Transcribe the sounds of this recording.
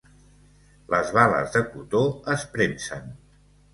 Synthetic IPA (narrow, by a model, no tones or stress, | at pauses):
lʔəzβalə̰zðəkut̪oəspɾensən